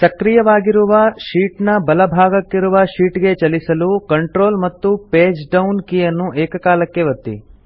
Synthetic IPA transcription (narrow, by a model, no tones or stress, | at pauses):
sɐkɾijɐʋaːɡiɾuʋɐʃiːʈnɐbɐlɐbʱaːɡɐkːiɾuʋɐʃiːʈɡe̞t͡ʃɐlisɐlukɐɳʈɾo̞ːlmɐt̪ːupeːd͡ʒɖɐwnkijɐnːuʔeːkɐkaːlɐkːe̞ʋɐt̪ːḭ